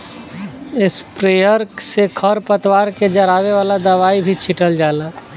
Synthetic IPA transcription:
ɪspɾeːjəɾsekʰəɾpət̪waːɾked͡ʒəɾaːweʋaːlad̪əʋaːibʱit͡ʃʰɪʈəld͡ʒaːlaː

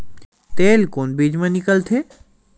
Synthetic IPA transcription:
t̪eːlkoːnbiːd͡ʑmãnikəlt̪ʰeː

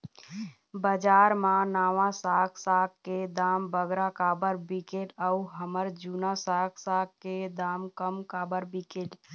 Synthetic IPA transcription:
bəd͡ʒaɾmãnaːʋãsaksaɡ̚kːed̪aːmbəɡɾakabəɾbikeʈəuɦəməɾd͡ʒunasaɡsaɡked̪amkəmkabəɾbikeʈ

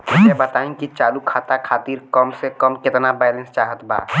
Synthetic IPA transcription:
ɛbət̪aːĩkit͡ʃaːlukʰaːt̪akʰaːt̪iːɾkəmsekəmkɪt̪nabɛjlẽnst͡ʃaːɦət̪ba̰ː

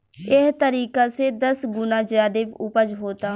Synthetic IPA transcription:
ɪɦt̪əɾiːkaːseːd̪əsɡʊnãːd͡ʒjaːd̪eːpʊpəd͡ʒɦoːt̪aː

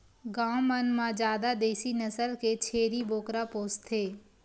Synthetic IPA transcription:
ɡãːwmənmãd͡ʒaːd̪ad̪eːsinɐsəlket͡ʃʰeːɾiboːkɾapoːst̪ʰeː

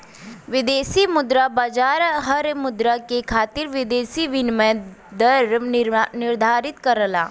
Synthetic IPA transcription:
ʋɪd̪eːsimʊd̪ɾabad͡ʒaːɾɦəɾmʊd̪ɾakekʰaːt̪ɪɾʋɪd̪eːsiʋɪnmɛ̃ | d̪əɾnɪɾd̪ʱaːɾɪt̪kəɾəla̰ː

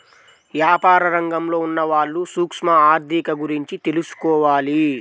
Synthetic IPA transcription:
ʋjaːpaːɾɐɾɐŋɡɐmlo̞ːunːɐʋaːɭːusuːkʂmɐaːɾd̪ʱikɐɡuɾiɲt͡ʃit̪e̞lusu̥kɔːʋaːli

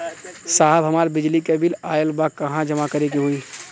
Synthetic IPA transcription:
saːɦəbɦɐmaːɾbɪd͡ʒlikebɪlaːjəlbakɐɦãd͡ʒɐmakɐɾeɡiɦuiː

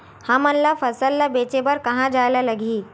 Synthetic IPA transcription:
hãmənlafəsəlːabet͡ɕebəɾkəɦãd͡ʑajlaləɡʱiː

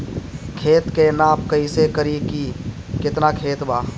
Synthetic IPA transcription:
kʰeːt̪kenaːp̚kəisekəɾiki | kɪt̪nakʰeːt̪baː

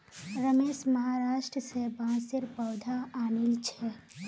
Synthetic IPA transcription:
ɾəmeːʃməɦaɾaːʃʈɾəsebʱãːsɪɾpəʊd̪ʱaaːnɪlt͡ʃʰɛ

